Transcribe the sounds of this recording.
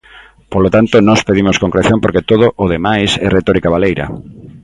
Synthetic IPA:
polot̪ant̪onɔspeðimoskoŋkɾeθjompoɾket̪oð̞oʔoðemajsɛret̪ɔɾikaβalejɾɐ̰

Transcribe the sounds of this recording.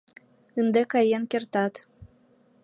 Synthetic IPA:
ɯnd̪ekɑjenkert̪ɑt̪

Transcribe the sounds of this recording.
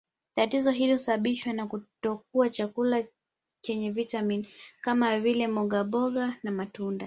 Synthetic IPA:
tatizɔɦilihusaɓaɓiʃwanakutɔk̚uat͡ʃakula | t͡ʃɛɲɛvitaminkamavilɛmɔɠaɓɔɠanamatunda

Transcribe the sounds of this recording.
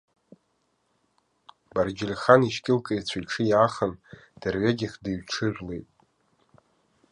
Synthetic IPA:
bard͡ʒɪlʲχaniʃkʲʼɪlkʼɨit͡ɕʷʰajʈ͡ʂʰɨjaχənd̥arɥaɡʲɪχʲdiɥʈ͡ʂʰɨʒʷᶣlejtʼ

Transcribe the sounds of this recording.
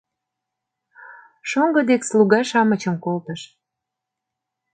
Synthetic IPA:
ʃoŋɡɤ̆d̪eksluɣɑʃɑmət͡ɕəmkolt̪əʃ

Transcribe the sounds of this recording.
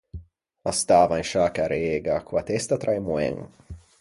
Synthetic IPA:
ast̪aːvainʃaːkaɾeːɡakʰuat̪ɛst̪at̪ɾajmuɛ̰ŋ̰

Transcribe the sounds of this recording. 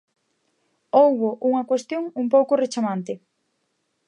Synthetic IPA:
owβoʔuŋɐkwest̪joŋumpowkʊret͡ʃamãnt̪ɪ

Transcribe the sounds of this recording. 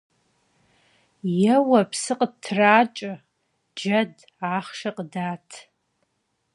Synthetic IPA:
jɛwɐpʰsɨqʼtʰːraːt͡ʃʼɨ | d͡ʒɐd | aːχʂɐqʼdaːtʰ

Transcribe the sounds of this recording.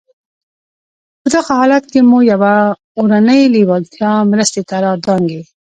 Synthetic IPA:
pəd̪aɣahɑlat̪̚kemujawa | oɾanəjliwɑɡt̪jɑmɾəst̪et̪aɾɑd̪ɑŋɡe

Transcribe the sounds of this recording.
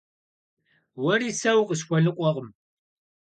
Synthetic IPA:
wɐriːsɐwqəɕ̬xʷɔɮɨqʷʼɔʁəm

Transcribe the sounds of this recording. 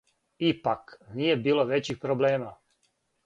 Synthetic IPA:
ipaknijɛbiːloʋɛt͡ʃixpɾoblɛːma

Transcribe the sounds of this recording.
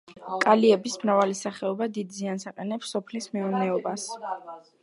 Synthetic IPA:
kʼaliɛbismɾavalisaχɛɔbad̪id̪ziansaqʼɛnɛpsɔpʰlismɛunɛɔbas

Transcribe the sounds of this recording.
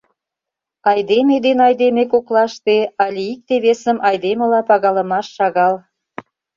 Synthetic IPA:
ɑjd̪emed̪enɑjd̪emekoklɑʃt̪eɑlʲiik̚t̪eβesəmʔɑjd̪emə̆lɑpɑɣɑlə̆mɑʃːɑɣɑl

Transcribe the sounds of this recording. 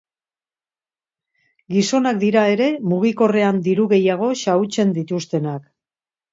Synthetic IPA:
ɡiso̞nakd̪iɾae̞ɾe̞muɣ̞iko̞re̞and̪iɾuɣe̞jaɣ̞o̞ʃaut͡se̞nd̪it̪ust̪e̞nak

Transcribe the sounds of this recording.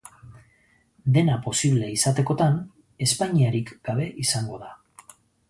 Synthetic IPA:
d̪e̞napo̞siβ̞le̞isat̪e̞ko̞t̪an | e̞spaɲiaɾikɡ̥aβ̞e̞ʔisaŋɡo̞ða

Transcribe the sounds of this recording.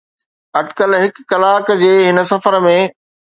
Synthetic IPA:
ɐɖkəlɦɪkːɐlaːkd͡ʑeːɦɪnəsɐfəɾmẽ

